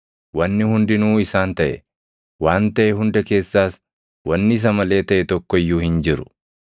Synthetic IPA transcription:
wɐnːɪhʊnd̪ɪnuːɪsaːnt̪ɐʔɛ | waːnt̪ɐʔɛɦʊnd̪ɐke̞ːsːaːs | wɐnːɪɪs̬ɐmɐle̞ːt̪ɐʔɛt̪ɔkːɔjːuːhɪnd͡ʒɪɾʊ̥

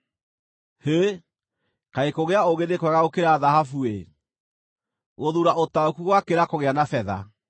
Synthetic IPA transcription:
he | kaekoɣeaoɣenekwɛɣaɣokeɾaːðaɦafue | ɣoðuɾaʔotaokuɣwakeɾakoɣeanafɛða̰

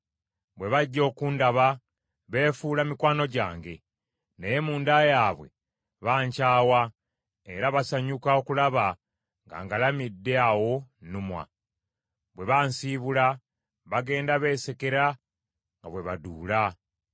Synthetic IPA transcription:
βwe̞βaɟːo̞ːkuːndaβa | βe̞ːfuːlamikwaːno̞ɟa̰ːŋɡe̞ | nejemuːndajaːβwe̞̰ | βaːɲcaːwa | eɾaβasaɲukao̞kulaβa | ŋɡa̰ːŋɡalamidːeawo̞numwa̰ | βwe̞βaːnsiːβula | βaɡe̞ːndaβe̞ːse̞ke̞ɾa | ŋɡaβwe̞βa̰duːla

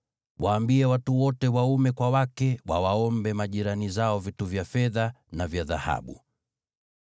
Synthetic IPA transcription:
wʔaːmbiɛwatuwɔtɛwaumɛkwawakɛwawaɔmbɛmaʄiɾanizaɔvituvjafɛðanavjaða̰ha̰ɓṵ

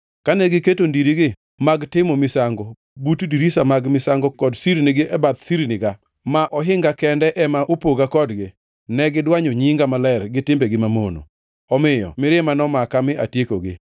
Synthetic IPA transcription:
kanɛɡɪketondiɾiɡɪ | maɡtɪmɔmɪsaŋɡɔ | butdiɾisamaɡmɪsaŋɡɔkɔdsiɾnɪɡɪʔɛbat̪siɾnɪɡa | maʔɔɦɪŋɡakɛndɛʔɛmaʔopoɡakɔdɡɪ | nɛɡɪdwaɲoɲiŋɡamalɛrɡɪtɪmbeɡɪmamono̰ | ɔmɪjɔ̰mɪɾɪmanɔmakamɪʔatjekoɡɪ̰

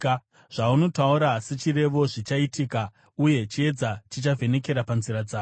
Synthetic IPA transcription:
ʐ̥auno̞tauɾaset͡ʃire̞ʋo̞ʐit͡ʃaitiːka | uje̞t͡ʃie̞d͡zat͡ʃit͡ʃavʱe̞ne̞ke̞ɾapanziɾad͡zaː

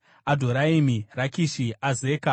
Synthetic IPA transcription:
adʱoɾaimirakiʃiazeːka

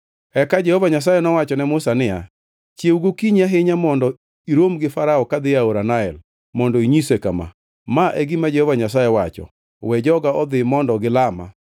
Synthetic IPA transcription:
ɛkad͡ʒɛhovaɲas̬ajɛnɔwat͡ʃɔnɛmʊsanɪja̰ | t͡ʃjeuɡokiɲaɦɪɲamɔndɔ | iɾomɡɪfaɾaɔkad̪ɪaoɾanaɛ̰l | mɔndɔiɲisekama̰ | maʔeɡimad͡ʒehovaɲasajɛwat͡ʃɔ̰ | wɛd͡ʒɔɡaɔd̪ɪmɔndɔɡɪlama̰

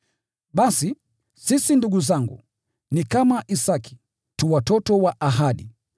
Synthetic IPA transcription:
ɓasi | sisinduɡuzaŋɡṵ | nikamaʔisaki̥ | tuwatɔtɔwaʔaɦaɗi

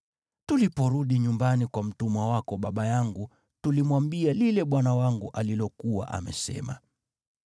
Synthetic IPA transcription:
tulipɔɾuɗiɲumbanikwam̩tumwawakɔɓaɓajaŋɡu | tulimwambialilɛɓwanawaŋɡuʔalilɔkuwa̰ʔa̰mɛ̰sɛ̰ma̰

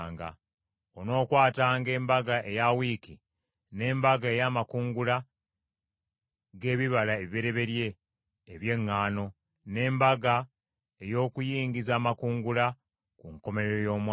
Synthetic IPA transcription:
ŋɡa̰ | ono̞ːkwaːtaːŋɡe̞ːmbaɡaʔe̞jawiki | ne̞ːmbaɡae̞jaːmakuːŋɡula | ɡe̞ːβiβalaeβiβeɾe̞βe̞ɾje̞ː | βje̞ŋːaːno̞ | ne̞ːmbaɡa | e̞jo̞ːkujiːŋɡizaːmakuːŋɡula | kuŋko̞me̞ɾeɾojo̞ːmw

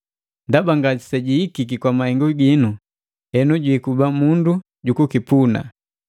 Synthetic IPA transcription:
ndabaŋɡasi̥sɛɟiikikikwamahɛŋɡɔɡinu | hɛnuɟwikubamundu | ɟukukipuna̰

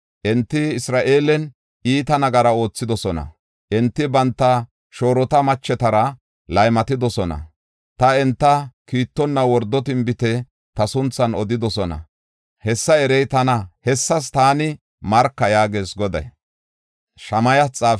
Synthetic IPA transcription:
ʔɛnt̪ːɪɪsɾaːʔe̞ːlɛn | ʔiːt̪ɐnɐɡɐɾɐo̞ːt͡sːɪd̪ɔsɔnɐ̰ | ʔɛnt̪ːɪbɐnt̪ːɐ | ʃo̞ːɾɔt̪ɐmɐt͡ʃːɛt̪ɐɾɐ | lɐjmɐt̪ɪd̪ɔsɔnɐ̰ | t̪ɐɛnt̪ːɐkiːt̪ːɔnːɐwɔɾd̪ːɔt̪̬ɪmbɪt̪ɛ | t̪ɐsʊnt͡sːɐnɔd̪ɪd̪ɔsɔnɐ̰ | hɛsːɐɛɾɛjt̪ɐnɐhɛsːɐs̬t̪aːnɪ | mɐɾkːɐjaːɡeːsɡɔd̪ɐ̰j | ʃɐmɐjɐt͡sʼaːf

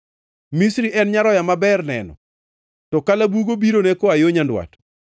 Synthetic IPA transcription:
misɾiʔɛnɲaɾɔjamabɛrnɛ̰nɔ̰ | tɔkalabuɡobiɾonɛkoajoɲandwa̰t

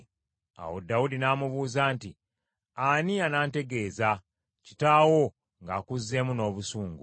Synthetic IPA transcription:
a̰wo̰daudinaːmuβuːzaːnti | anianaːnte̞ɡe̞ːza | ci̥taːwo̞ | ŋɡaːkuzːe̞muno̞ːβusuːŋɡu

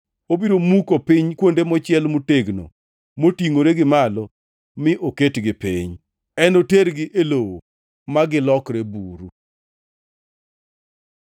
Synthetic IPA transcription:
obiɾomukopɪɲkwondemɔt͡ʃɪɛlmuteɡno̰ | motiŋoɾeɡɪmalɔ | mɪʔoketɡɪpiɲ | ɛnoteɾɡɪʔelowo̰ | maɡɪlɔkɾebuɾu

